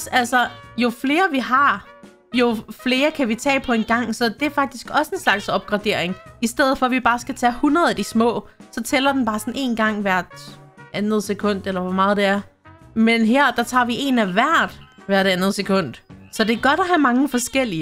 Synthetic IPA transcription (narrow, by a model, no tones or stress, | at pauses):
ælsɒjo̝fle̝ːɐʋiɦɑ̈ | jo̝fle̝ːɐkʰæʋit͡sʰɛ̰ːpʰɒ̽e̝nɡ̥ɑ̈ŋ̰sɒ̽d̥e̝æɐfɑ̈ɡ̥̚d̥isɡ̥ɒ̽səe̝nslɑ̈ɡ̥sɒ̽b̥̚ɡ̥ʁɑ̈d̥e̝ɐ̰e̝ŋisd̥eð̰̩ˠfɒ̽ʋib̥ɑ̈ːsɡ̥æt͡sʰɛhunʁɐð̞ˠæd̥ismɔ̰̽ːsɒ̽t͡sʰelɐd̥en̩b̥ɑ̈ːsɒ̽ne̝̰ːnɡ̥ɑ̈ŋ̰ʋæɐ̰d̥ʔænð̞̩ˠsekʰɔ̽n̰d̥elɐʋɒmɑ̈ːð̞̩ˠd̥e̝æɐ | menɦeɐ̰d̥ɑ̈t͡sʰɑ̰̈ʋie̝næʋæɐ̰d̥ʋæɐɾ̥ænð̞̩ˠsekʰɔ̽n̰d̥sɒ̽d̥e̝æɐɡ̥ɒ̽ɾ̥ɒɦæmɑ̈ŋəfɒ̽sɡ̥el̰i